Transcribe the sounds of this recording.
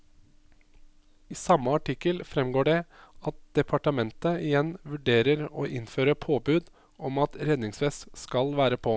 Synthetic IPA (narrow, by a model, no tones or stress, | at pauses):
iːsɑmːəɑʈɪkːəlfɾɛmɡoːɖɛɑt̪̚d̪̥ɛpʰɑʈəmɛnt̪əɪjɛnʋʉɖeːɾəɾoːʔɪnføːɾəpʰoːbʉːd̪ | ɔmɑt̪ɾɛd̪nɪŋsʋɛsskɑlʋæːɾəpʰoː